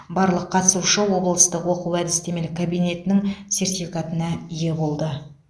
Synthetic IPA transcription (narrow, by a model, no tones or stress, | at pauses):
bɑɾlˠəqʰːɑt̪əsuʃəwo̞blˠəst̪əqwo̞quwæd̪ɪst̪e̞me̞lɪkʰabijne̞t̪ɪnɪŋse̞ɾt̪ifikat̪ənɑije̞bo̞lˠd̪ə